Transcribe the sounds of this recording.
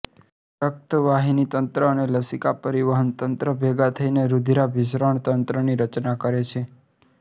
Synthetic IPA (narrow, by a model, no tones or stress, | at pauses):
ʃək̚t̪əʋaɦinit̪ənt̪ɾəːneləsikapəɾiʋəɦənt̪ənt̪ɾəbʱeɡat̪ʰəineɾud̪ʱiɾabɪʃ̬ɾəɳt̪ənt̪ɾəniɾət͡ʃnakəɾet͡ʃʰe